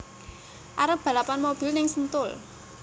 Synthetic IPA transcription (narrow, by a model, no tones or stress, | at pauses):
ʔaɾəb̥a̤lapanmob̥i̤lnɪŋsənt̪ʊl